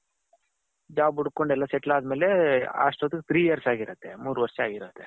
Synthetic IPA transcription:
d͡ʒabuɽkoɳɖɛlːaseʈlaːd̪melea̰ʂʈot̪ikt̪ʰɾiːjiəɾsaːɡiɾət̪emuːɾʋɐɾʂiaːɡiɾət̪e

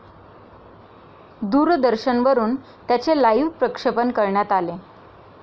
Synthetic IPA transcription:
d̪uːɾd̪əɾɕənʋəɾuːn | t̪jat͡selajʋpɾəkʂəpənkəɾɳjat̪ale

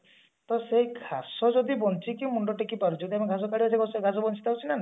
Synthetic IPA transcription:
t̪ɔseɡʰʱasɔd͡ʒɔd̪ibɔnt͡ʃʰikiw̃muɳɖɔʈekipaɾud͡ʒɔd̪iamɔɡʱas̬ɔkaɽiaseɡɔseɡʱasɔbɔnt͡ʃʰi̥t̪ʰawt͡ʃʰinana

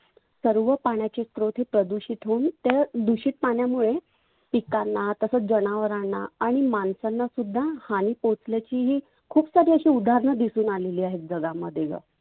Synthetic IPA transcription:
səɾʋəpaɳjat͡ɕest̪ɾot̪ɦiːpɾəd̪uɕiːt̪ɦount̪ed̪uɕiːʈ̪̚paɳjamuɭe | pikanːat̪əsəd͡ʑənaʋəɾaɳːa̰aɽ̃imansanːasud̪ʱːahaniːpot͡sljat͡ɕiːɦiː | kʰuːpsaɾiːəɕiːud̪ʱaɾɳəd̪isuːnaleliːaɦet̪̚d͡zəɡaməd̪ʱjeɡə̰

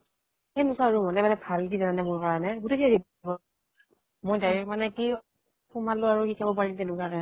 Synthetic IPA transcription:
hɛnukaɹumɔnɛmanɛbʱalkizananɛmʊɹkaɹɔnɛɡutekaɡib | bɔ | mojdajɹɛk̚manɛki | pʰumaloaɹukikʰabɔpaɹimtɛnukaka

